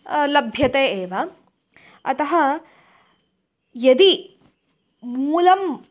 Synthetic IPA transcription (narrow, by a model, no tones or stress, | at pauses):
lɐbʱjɐt̪eːeːʋɐ | ɐt̪ɐɦɐ | jɐd̪i | mulɐm